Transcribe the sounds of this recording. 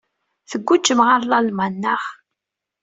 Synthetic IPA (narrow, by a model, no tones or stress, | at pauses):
θəɡʷːut͡ʃːəmʁaɾlɑlmænːəχ